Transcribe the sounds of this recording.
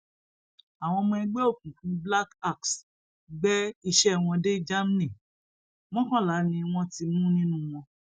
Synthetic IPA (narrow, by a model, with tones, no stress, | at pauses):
a˨w̃ɔ̃˧mɔ̃˧i˧˦ɡ͡be˦o˦˨kũ˨kũ˨bla˦ka˦˨ks | ɡ͡bɛ˦i˧ʃɛ˦w̃ɔ̃˧de˦d͡ʒa˦m˦nĩ˨ | mɔ̃˦kɔ̃˦la˨˦nĩ˧w̃ɔ̃˧ti˧mũ˦nĩ˦nũ˦w̃ɔ̃˧